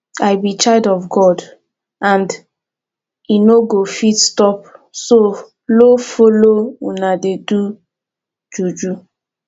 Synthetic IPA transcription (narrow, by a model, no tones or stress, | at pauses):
ajbit͡ʃaɪdɔfɡɔd | ãnd | inoɡofitstɔpso | lofolounadedu | d͡ʒud͡ʒu